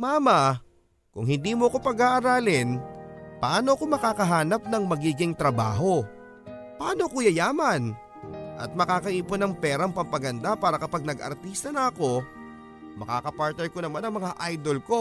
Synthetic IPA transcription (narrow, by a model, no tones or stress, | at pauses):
maːmɐ | kʊŋɦɪnd̪iːmoɐko̞pɐɡaːʔɐɾaːlɪnpɐʔaːno̞ɐko̞mɐkaːkɐɦaːnɐp̚nɐŋmɐɡiːɡɪŋt̪ɾɐba̰ːɦo̞ | pɐʔaːnoɐko̞jɐjaːmɐn | ʔɐ̰t̪̚mɐkaːkɐʔiːponɐŋpɛːɾɐŋpɐmpɐɡɐnd̪apaːɾɐkɐpaɡ̚nɐɡʔɐ̰ɾt̪iːst̪ɐnɐɐko̞ | mɐka̰ːkɐpaɾt̪nɛɾko̞nɐmanɐŋmɐŋaʔajd̪o̞lko̞